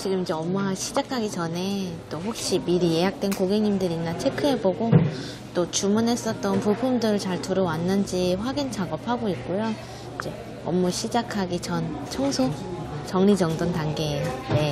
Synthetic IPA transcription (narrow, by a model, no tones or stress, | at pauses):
t͡ɕiɡɯmid͡ʑe̞ʌmːuɦaɕʰid͡ʑakʰaɡit͡ɕʌne̞t͈oɸok̚ɕ͈imiɾije̞ɦak̚t͈we̞nkoɡeŋɲimdɯɾinːat͡ɕʰe̞kʰɯɦe̞boɡo | t͈ot͡ɕumunɦe̞s͈ʌt͈̚ʌnpuɭpʰumdɯɾɯɭt͡ɕaɭtuɾowanːɯnd͡ʑiɸwaɡint͡ɕʰaɡʌpʰaɡoik̚k͈ojo | id͡ʑe̞ | ʌ̰mːuɕʰid͡ʑakʰaɡit͡ɕʌnt͡ɕʰʌŋsʰot͡ɕʌŋɲid͡ʑʌŋdontaŋɡe̞ːjone̞